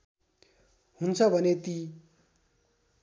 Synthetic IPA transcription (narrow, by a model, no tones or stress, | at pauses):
hunt͡sʰʌbʱʌnet̪i